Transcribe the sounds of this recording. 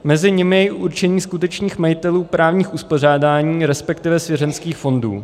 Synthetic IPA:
mɛzɪɲɪmɪjɛɪʔuɾt͡ʃɛɲiːskut̪ɛt͡ʃɲiːxmajɪt̪ɛluːpɾaːvɲiːxʔuspo̞r̝aːdaːɲiːɾɛspɛkt̪ɪvɛsvjɛɾɛnskiːxfo̞ndṵː

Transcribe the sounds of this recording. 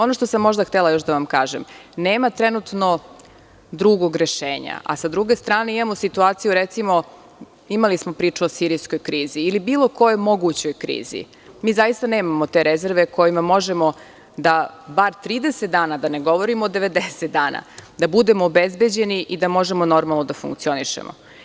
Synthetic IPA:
o̞no̞ʃt̪osamːo̞ʒd̪axt̪elˠajo̞ʃ̬d̪aʋamka̰ːʒḛmneːmat̪ɾenut̪no̞ | d̪ɾuɡo̞ɡɾe̞ʃeːɲa̰ʔa̰sad̪ɾuɡe̞st̪ɾaːne̞imamosit̪uaːt̪sijuɾet̪simo̞ | imalismopɾiːt͡ʂuosiɾisko̞jkɾiːziːlibiːlˠo̞ko̞jomo̞ɡut͡ɕo̞jkɾḭːzḭ | miːzajist̪aneːmamot̪e̞ɾezeɾʋe̞ko̞jimamo̞ʒemo̞ | d̪abaɾt̪ɾiːd̪e̞set̪̚d̪aːnad̪aneɡo̞ʋo̞ɾimoːd̪e̞ʋe̞d̪eset̪̚d̪aːna̰d̪abud̪e̞moːbezbe̞d͡ʑe̞niʔid̪amo̞ʒemo̞no̞ɾmalˠnod̪afṵŋkt̪sio̞niʃḛmʔo̰

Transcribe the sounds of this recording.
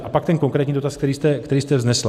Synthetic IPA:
ʔapak̚t̪ɛnko̞ŋkɾɛːt̪ɲiːdo̞t̪askt̪ɛɾiːst̪ɛkt̪ɛɾiːst̪ɛvznɛsl

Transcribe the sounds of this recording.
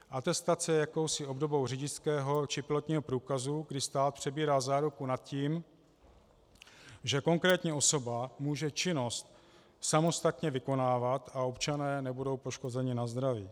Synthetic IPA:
ʔat̪ɛst̪at͡sɛjako̞wsɪo̞bdo̞bo̞wr̝ɪɟɪskɛːɦo̞t͡ʃɪpɪlot̪ɲiːɦo̞pɾuːkazuɡdɪst̪aːt̪̚pr̥ɛbiːɾaːzaːɾukunat̪ciːm | ʒɛko̞ŋkɾɛːt̪ɲɛo̞so̞bamuːʒɛt͡ʃɪno̞st̪ | samo̞st̪at̪ɲɛvɪko̞naːvat̪ao̞pt͡ʃanɛːnɛbudo̞wpo̞ʃko̞zɛɲɪnazd̪ɾaviː

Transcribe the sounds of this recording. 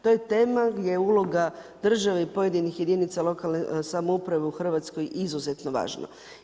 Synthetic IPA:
t̪ojet̪e̞ːmaɡd̪ʲje̞ulˠo̞ɡad̪r̩ʒaʋeipo̞je̞d̪inixje̞d̪init̪salo̞kalnesamoupɾaʋeuxr̩ʋat̪sko̞jizuzet̪no̞ʋa̰ːʒna̰

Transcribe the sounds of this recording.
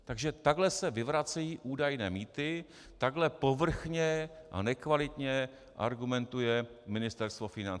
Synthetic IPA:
t̪aɡʒɛt̪aɡlɛsɛvɪvɾat͡sɛjiːʔuːdajnɛːmiːt̪ɪ | t̪aɡlɛpo̞vr̩xɲɛʔa̰nɛkvalɪt̪ɲɛ | ʔa̰ɾɡumɛnt̪ujɛmɪnɪst̪ɛɾst̪vo̞fɪnan

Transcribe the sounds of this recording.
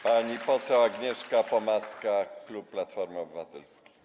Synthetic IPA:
paɲipɔsɛwaɡɲɛʂkapɔmaskaklup̚pːlat̪fɔɾmɔbɘvat̪ɛlskʲi̥

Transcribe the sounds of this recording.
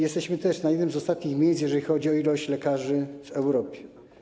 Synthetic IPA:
jɛst̪ɛɕmɘt̪ɛʂnajɛd̪nɘmzɔst̪at̪ɲixmʲejsjɛʐɛlʲixɔd͡ʑiɔilɔɕt͡ɕlɛkaʐɘvɛwɾɔpʲjɛ

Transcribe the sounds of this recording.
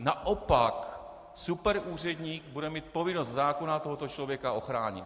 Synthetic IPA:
naʔopak | supɛɾʔuːr̝ɛdɲiːkbudɛmiːt̪̚po̞vɪnost̪zaːko̞nat̪oɦo̞t̪ot͡ʃlo̞vjɛkaʔo̞xɾaːɲɪ̰t̪

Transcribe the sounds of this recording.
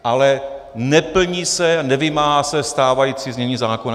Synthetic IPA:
ʔalɛ | nɛpl̩ɲiːsɛanɛvɪmaːɦasɛst̪aːvajiːt͡siːzmɲɛɲiːzaːkon

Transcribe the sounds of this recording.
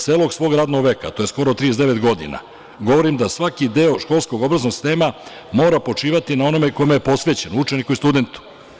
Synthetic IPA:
seːlˠo̞ɡsʋo̞ɡɾaːd̪no̞ɡʋe̞ka̰t̪ojesko̞ɾot̪t̪ɾijezd̪e̞ʋe̞t̪ɡo̞d̪ḭna̰ | ɡo̞ʋo̞ɾimd̪asʋakid̪eo̞ʃko̞lˠsko̞ɡo̞bɾaznoɡsi̥st̪eːma | mo̞ːɾapo̞t͡ʂiːʋat̪inao̞no̞meko̞imejepo̞sʋe̞t͡ɕenout͡ʃe̞nikuist̪ud̪e̞nt̪u̥

